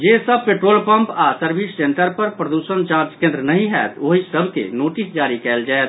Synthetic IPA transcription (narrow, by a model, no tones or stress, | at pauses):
d͡ʒesəb̚peʈɾolpəmpasəɾbʱisːeɳʈəɾpəɾpɾəd̪usənt͡ʃãɾd͡ʒkẽnd̪ɾənəɦĩɦɛ̰t̪ʰoɦisəbʱkḛnoʈisd͡ʒaɾikɛld͡ʒaet̪